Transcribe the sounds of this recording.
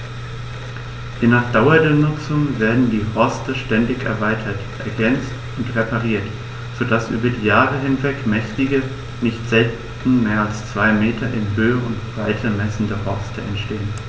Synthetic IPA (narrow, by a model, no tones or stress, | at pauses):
v̥enaːχd̥aʊɐdeːɐnʊt͡sʊŋveːɐdn̩diːhɔɐstəʃtɛndɪçɛɐvaɪtʰɐtʔɛɐɡɛnt͡st | ʊntʁepaʁiːɐt | z̥odasʔy̰ːbɐdiːjaːʁəɦɪnvɛkmɛçtɪɡə | nɪçtz̥ɛlt | n̩meːɐalst͡sv̥aɪmeːtʰɐʔɪnɦøːəʊntb̥ʁ̥aɪtʰɐmɛsn̩dəhɔɐstʰəɛ̰ntʃteːən